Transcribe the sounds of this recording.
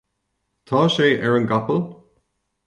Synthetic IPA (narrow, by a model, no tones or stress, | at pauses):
t̪ʰɑːʃeːʔɛɹənɡapəl